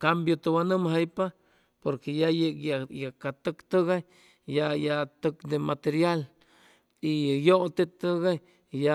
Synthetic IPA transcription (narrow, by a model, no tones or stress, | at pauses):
kambjot̪owanɨmɦajpa | poɾkejajekjajakat̪əkt̪əɣaj | jajat̪əkd̪emat̪eɾjal | ijoʔt̪et̪əɡaj | ja